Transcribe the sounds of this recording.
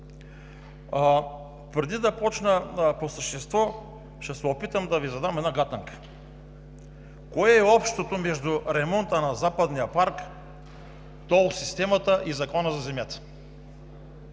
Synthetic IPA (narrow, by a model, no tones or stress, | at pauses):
pɾɛd̪id̪ɐpɔt͡ʃnəposəʃt̪ɛst̪vɔ | ʃɛsɛopit̪əmd̪ɐvizɐd̪amɛd̪naɡat̪aŋkə̥ | koɛɛɔpʃt̪ot̪omɛʒd̪uɾɛmɔnt̪ənazapɐd̪nijəpaɾk | t̪ɔlˠsist̪ɛmat̪əʔizɐkɔnəzɐzɛmjat̪ə̥